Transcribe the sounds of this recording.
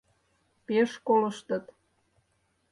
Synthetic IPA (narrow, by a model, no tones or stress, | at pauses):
peʃkoləʃt̪ə̆t̪